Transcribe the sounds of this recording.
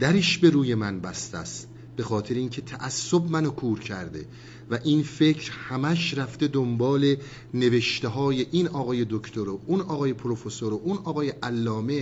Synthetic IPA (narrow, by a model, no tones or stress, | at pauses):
d̪̥æɾeʃbe̞ɾuːje̞mænbæst̪æst̪̚ | b̥e̞xɒːt̪ʰe̞ɾeiːncʰe̞t̪ʰæʔæsːobmænokʰuːɾcʰæɾd̪e̞̰ | væʔinfe̞cʰɾhæmæʃɾæft̪e̞d̪ombɒːle̞ | ne̞ve̞ʃt̪eɦɒːje̞ʔinɒːɣɒːje̞d̪okʰt̪ʰoɾoʔunɒːɣɒːje̞pʰoɾofesoɾoʔunɒːɣɒːjeʔælːɒːme̞